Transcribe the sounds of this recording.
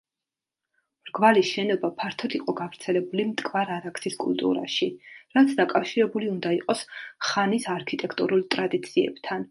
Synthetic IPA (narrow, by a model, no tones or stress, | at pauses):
ɾɡvaliʃɛnɔbapʰaɾt̪ʰɔd̪iqʼɔɡavɾt̪sʰɛlɛbulimt̪ʼkʼvaɾaɾaksiskʼṵlˠt̪ʼṵɾa̰ʃiɾat̪sʰd̪akʼafʃiɾɛbuliund̪aiqʼɔsχanisaɾkʰit̪ʼɛkʰt̪ʼṵɾulˠt̪ʼɾad̪it̪sʰiɛ̰bt̪ʰan